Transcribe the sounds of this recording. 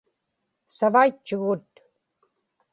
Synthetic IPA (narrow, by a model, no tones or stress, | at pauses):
savait͡ʃːʊɣʊt̪